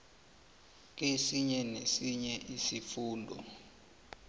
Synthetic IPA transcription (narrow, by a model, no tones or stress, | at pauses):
k̬esiɲɛnesiɲɛʔisifuːndʱɔ̰